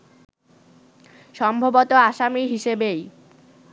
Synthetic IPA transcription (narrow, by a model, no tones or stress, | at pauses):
ʃɔmbʱobot̪oaʃamiɦiʃebej